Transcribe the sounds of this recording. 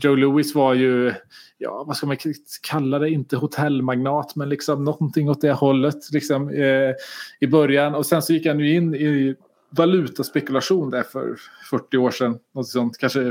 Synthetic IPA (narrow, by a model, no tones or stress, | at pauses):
d͡ʒoʊluːɪsvajɵjɑ̰ːvaskalmankʰalːad̪ɛɪnt̪əhʊt̪ʰɛlːmaɡnɑːt̪mɛnlɪksɔmnɔnt̪ʰɪŋːɔt̪̚d̪ɛhɔlːət̪lɪksɔm | ɪbœɾjanɔsɛnsɔjɪkːhanjɵɪnːɪ | valʉ̟ːt̪aspɛkɵlaɧuːnd̪æɾfœ̰ɾfœʈːɪoːʂɛnːnɔnt̪ɪsɔnt̪kʰanʂə